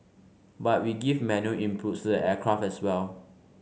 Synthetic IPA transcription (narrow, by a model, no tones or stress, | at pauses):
bat̚wiɡivmɛnuʔĩmpʰutsdəʔɛkʰɹafɛswɛl